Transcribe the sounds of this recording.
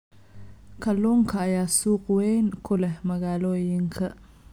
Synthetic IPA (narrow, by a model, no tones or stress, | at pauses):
kʰɐlːɔːŋkʰɐːjaːsuːqwɛjnkʰʊlɛmɐɣaːlɔːjɪŋkʰɐ